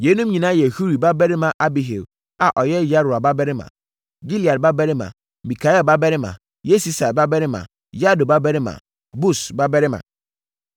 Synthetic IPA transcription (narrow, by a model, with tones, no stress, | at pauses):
je˨˦nũ˦m˦ɲĩ˨nã˦jɛ˨hu˦ɾi˨ba˦bɛ˦ɾɪ˦mã˨ʔa˦bi˨ɦḛ˨w | a˨ʔɔ˨jɛ˦ja˦ɾʊ˨a˨ba˦bɛ˦ɾɪ˦mã̰˨ | ɡi˦li˨a˨ba˦bɛ˦ɾɪ˦mã̰˨ | mi˨kʰa˨˦jɛ˦ba˦bɛ˦ɾɪ˦mã̰˨ | je˦si˦sa˨ɾba˦bɛ˦ɾɪ˦mã̰˨ | ja˦do˨ba˦bɛ˦ɾɪ˦mã̰˨ | bu˦˨sba˦bɛ˦ɾɪ˦mã̰˨